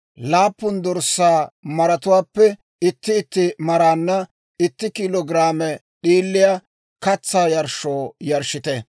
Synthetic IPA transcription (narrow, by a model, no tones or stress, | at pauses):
laːpːʊnd̪ɔɾsːaːmɐɾɐt̪ʊwaːpːɛ | ɪt̪ːɪːt̪ːɪmɐɾaːnːɐ | ɪt̪ːɪkɪloːɡɪɾaːmɛ | ɗiːlːɪjɐ | kɐt͡sːaːjɐɾʃoːjɐɾʃɪt̪ɛ